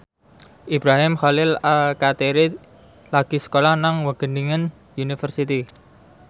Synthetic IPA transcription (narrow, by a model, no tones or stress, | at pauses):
ʔibɾaɦɪmχalɪlalkat̪eɾɪ | laɡ̥isə̥kolahnaŋwəɡ̥əniŋən | junifərsit̪i